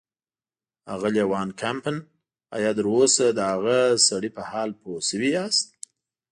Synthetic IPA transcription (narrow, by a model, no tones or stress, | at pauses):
a̰ɣaljawɑnkʰampən | a̰jɑd̪əɾosad̪əhaɣasaɽipəhɑlpʰosəwiast̪̚